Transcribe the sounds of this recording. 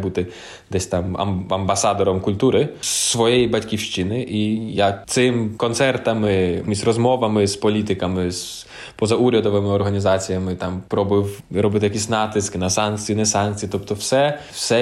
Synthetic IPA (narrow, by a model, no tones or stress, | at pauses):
but̪ɪ | d̪ɛsʲt̪ɑmɐ̰mɐmbɐsɑd̪ɔɾɔmkʊlʲt̪uɾɪsʋɔjɛjibɐtʲkʲiwʃt͡ʃinɪʔijat̪sɪmkɔnt̪sɛrt̪ɐmɪizrɔzmɔʋɐmɪspɔlʲit̪ɪkɐmɪs | pɔzɐuɾʲɐd̪ɔʋɪmɪɔrɦɐnʲizɑt͡sʲijɐmɪt̪ɑmpɾɔbɪwɾɔbɪt̪ɪjɐkʲisʲnɑt̪ɪskɪnɐsɑnk̚t͡sʲijinɛsɑnk̚t͡sʲijit̪ɔpt̪ɔwsɛsɛ